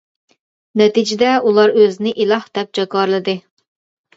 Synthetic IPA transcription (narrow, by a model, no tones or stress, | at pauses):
nɛt̪id͡ʒɪd̪ɛulˠɑɾøzɪnɪʔilˠɑhd̪̥ɛp̚d͡ʒɑkɑɾlˠɨd̪ɨ